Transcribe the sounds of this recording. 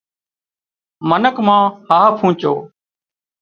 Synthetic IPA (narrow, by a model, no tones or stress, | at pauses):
mənəkmãːhaːpʰũːt͡ʃoː